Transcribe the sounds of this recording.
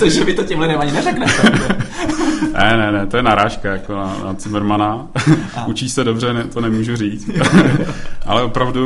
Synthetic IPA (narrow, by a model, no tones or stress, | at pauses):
t̪aʒɛvɪt̪ocɛmlɪdɛmaɲɪnɛrɛknɛt̪ɛ | nɛnɛnɛt̪o̞jɛnaɾaːʃkajakonana̰t͡sɪmɾmana | ʔut͡ʃiːsɛdobr̝ɛnɛt̪onɛmuːʒuriːt͡s | ʔa̰lɛʔopɾavdu